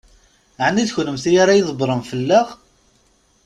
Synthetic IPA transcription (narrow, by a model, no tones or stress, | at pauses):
ʕnːiðçnəmθijaɾajðˤbɾˤəmfəlːaʁ